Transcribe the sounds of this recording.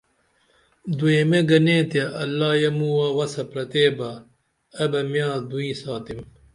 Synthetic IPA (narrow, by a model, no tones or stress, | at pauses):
d̪ujemeɡɐnẽːt̪jɐʔɐlːaːjɐmuːwɐwɐsɐpɾɐt̪eːbɐ | ɐbɐmjãːd̪uĩːsaːt̪im